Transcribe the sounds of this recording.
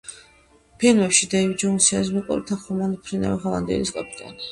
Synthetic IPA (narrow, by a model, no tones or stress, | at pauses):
pʰilˠmɛpʃid̪aid͡ʒɛunsiazmikʼṵɾit̪ʰaχɔmanpʰɾina̰viχɔlˠa̰nd̪iɛ̰liskʼapʼit̪ʼa̰n